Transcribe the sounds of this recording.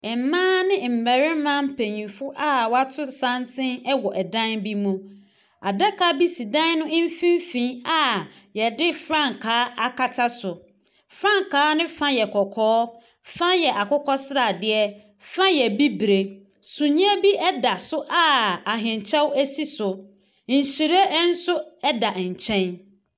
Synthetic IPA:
ɛ˨m˨mãː˦nɪ̃˦m̩˨bɛ˨ɾɪ̃˦mã˦m̩˦pʰẽ˨ɲĩ˨fʊ˦ʔa˦wɔ˨˦a˦tʰʊ˦sã˦ntʰɪ̃˦nɛ˦wɔ˨ʔɛ˨dã˦nbi˦mũ˦ | a˨dɛ˦kʰa˦bi˦si˨dã˦nnʊ̃˦m̩˦fĩ˦m˦fĩ˦a˨ | jɛ˨dɪ˦fɾã˦ŋ˨kʰaː˨˦a˨kʰa˦tʰa˦sʊ˨ | fɾã˦ŋkʰaː˦nɪ̃˦fã˦jɛ˨kʰɔ˨kʰɔː˦ | fã˦jɛ˨ʔa˨kʊ˦kʰɔ˦sɪ˦ɾa˨dɪ˦ɛ˦ | fã˦jɛ˨bi˦bɾe˨ | sũ˨ɲĩ˦æ˦bi˦ʔɛ˦da˨sʊ˦ʔa˦˨a˨ɦɪ̃˨ɲ˨t͡ɕʰɛ̃˦wæ˦si˦sʊ˨ | ɲ̩˨ɕi˨ɾe˦n̩˦sʊ˦ɛ˦da˨ɲ̩˨t͡ɕʰɛ̃˦n

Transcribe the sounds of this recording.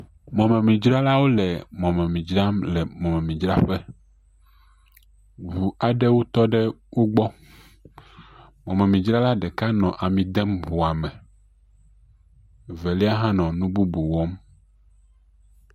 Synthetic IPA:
mɔ̃˨mɛ̃˨mĩ˨d͡ʒɾa˦la˦wo˦lɛ˨mɔ̃˨mɛ̃˨mĩ˨d͡ʒɾa˦mlɛ˨mɔ̃˨mɛ̃˨mĩ˨d͡ʒɾa˦ɸɛ˦ | βu˨a˨ɖɛ˦wo˦t̪ɔ˦ɖɛ˦wo˦ɡ͡bɔ˦ | mɔ̃˨mɛ̃˨mĩ˨d͡ʒɾa˦la˦ɖɛ˨ka˦nɔ̃˨ʔa˨mĩ˨d̪ɛ˦mvu˨a˨mɛ̃˨ | vɛ˨li˦a˦ɦã˦nɔ̃˨nũ˦bu˦bu˨wɔ˦m

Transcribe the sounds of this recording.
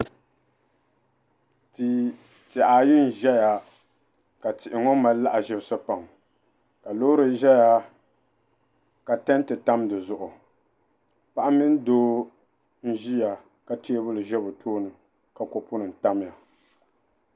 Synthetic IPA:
tɪ˨ʔa˨ji˦n˨ʒɛ˦ja˦ | ka˨tɪ˨ʔɪ˨ŋɔ˦ma˦llːa˦ʔa˨ʒɪ˦bsɨ˦pa˨ŋ | ka˨loː˦ɾɨ˦ʒɛ˦ja˦ | ka˨tɛ˦n˦tɨ˨ta˦mdɨ˨zʊ˨ʔʊ˨ | pa˦ʔa˦mːɪ˦n˦doː˦ | n̩˦ʒi˦ja˨ | ka˦ti˦e˦bʊ˦lɨ˨ʒɛ˦bʊ˨tʰoː˦nɨ˨ | ka˨kɔ˨pʊ˦nɨ˨n̩˨ta˦m˦ja˨

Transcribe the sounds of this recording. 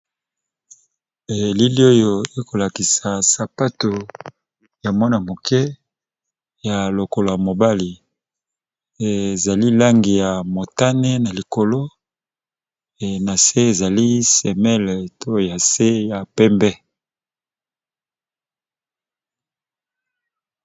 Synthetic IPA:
e˨li˦li˦o˦jo˨e˦ko˨la˨ki˨sa˨sa˨pa˦to˨ | ja˨mɔ˦na˨mo˨kɛ˦ | ja˨lo˨ko˨lo˨ja˨mo˨ba˦li˨ | e˨za˨li˦la˦ŋɡi˨ja˨mo˨ta˦ne˦na˨li˨ko˨lo˦ | e˨na˨se˦e˨za˨li˦sɛ˨mɛ˦lto˦ja˨se˦ja˨pɛ˦mbɛ˦

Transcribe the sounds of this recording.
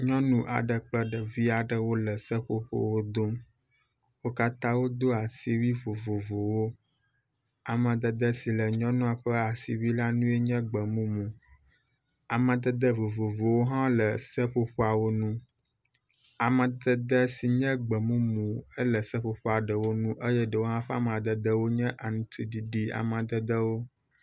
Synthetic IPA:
ɲɔ̃˦nũ˦ʔa̰˨ɖə˨k͡plə˦ɖə˨vi˦a˨ɖə˨wo˦lə˨sə˦ɸo̰˦ɸo̰˦wo˦d̪o˦m | wo˦ka˦t̪ã˦wo˦d̪o˦a˨si˦wi˦vo˨vo˨vo˨wo˦ | a˨mə̃˨d̪ə˨d̪ə˦si˨lə˨ɲɔ̃˦nũ˦a˨ɸə˦a˨sḭ˨wi˦la˦nũ˦e˦ɲɛ̃˦ɡ͡bə˨mũ˦mũ˨ | a˨mə̃˨d̪ə˦d̪ə˦vo˨vo˨vo˨wo˦ɦã˦lə˨sə˦ɸo˦ɸo˦a˨wo˦nũ˦ | a˨mə̃˨d̪ə˦d̪ə˦si˨ɲɛ̃˦ɡ͡bə˨mũ˦mũ˨ə˦lə˨sə˦ɸo˦ɸa˨ɖə˨wo˦nũ˦ʔə˦jɛ˦ɖə˨wo˦ɦã˦ɸa̰˦m˨ã˨d̪ə˨d̪ə˦wo˦ɲɛ̃˦ʔa˨ŋũ˨t̪ʰi˦ɖi˨ɖi˦a̰˨mã˨d̪ə˦d̪ə˦wo˦

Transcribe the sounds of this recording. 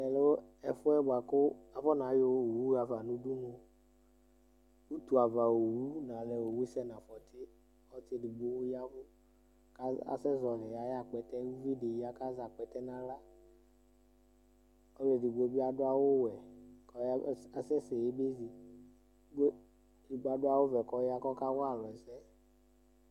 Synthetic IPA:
ɛ˨lo˦ɛ˨fʊ˦ɛ˦ba˨kʊ˦a˨vɔ˦nã˨˦jo˦˨wu˦a˨va˨nũ˦du˦no˨ | wu˦t̪u˨a˨va˨wo˨wu˦nã˨lɛ˨wo˨wu˦sɛ˦nã˨fɔ˨t̪ɪ˦ | ɔ˦tɪ˦di˨ɡ͡bo˦wja˦vʊ˦ | ka˦a̰˨sɛ˦zɔ˨lɛ˨ja˨˦ja˦˨k͡pɛ˨t̪ɛ˦wu˦vi˦de˨ji˦a˦ka˦za˨k͡pɛ˨t̪ɛ˦nã˨la˦ | ɔ˦le˨di˨ɡ͡be˦bi˦a˦dʊ˦a˦wo˦wɛ˨kɔ˨˦a˨sɛ˦sɛ˨je˦be˦zi˨˦ | di˨ɡ͡ba˦dʊ˦a˦wo˦vɛ˨kɔ˦ja˦kɔ˦ka˦wo˦a˨lɔ˨ɛ˨sɛ˦

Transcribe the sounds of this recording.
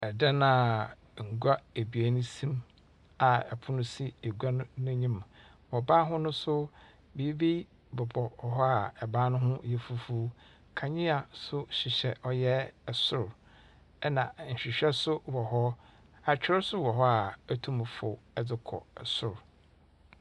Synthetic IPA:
ɛ˨da˦nã˨ | ŋ̩˨ɡʷa˦e˨bi˨æ˨nʊ̃˦sĩ˦m | a˨ɛ̰˨pʰʊ˦nʊ̃˦si˦e˨ɡʷa˦n˦nʊ̃˦ɲĩ˦m˨ | wɔ˨ba˦ɦʊ̃˦nʊ̃˦sʊ˦ | bi˨i˦be˦ | bʊ˨bɔ˨ɔ˨ɦɔ˦a˨ɛ˨bãː˦nʊ̃˦ɦʊ̃˦jɛ˨fu˦fu˦ | kʰã˨ɲĩ˦a˨sʊ˦ɕɪ˨ɕɛ˨ʔɔ˦jɛ˦ɛ˨sʊ˨ɾ | ɛ˦nã˨ɲ̩˨ɕᶣi˨ɕᶣɛ˦sʊ˦wɔ˨ɦɔ˦ | a˨t͡ɕᶣɪ˦ɾsʊ˦wɔ˨ɦɔ˦a˨æ˦tʰũ˦m˨fʊ˨ɛ˦d͡zɪ˦kʰɔ̰˨ɛ˨sʊ˨ɾ

